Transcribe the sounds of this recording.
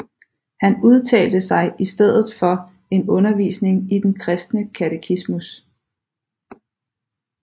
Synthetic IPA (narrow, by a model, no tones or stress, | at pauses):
hænuð̞ˠt͡sʰɛ̰ːld̥əsɑ̈ɪʔisd̥eð̞̰ˠð̩ˠfɒ̽ | e̝nɔ̽nɐʋḭːsne̝ŋid̥enkʰʁɛsd̥nəkʰæt͡sʰekʰismus